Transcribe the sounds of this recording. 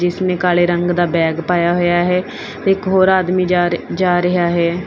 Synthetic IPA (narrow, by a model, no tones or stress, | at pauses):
d͡ʒɪsneːkaːleːɾəŋɡd̪aːbɛːɡpaːjaːɦojaːɦɛː | t̪eːɪkɦoːɾaːd̪miːd͡ʒad͡ʒaːɾəɦaːɦɛː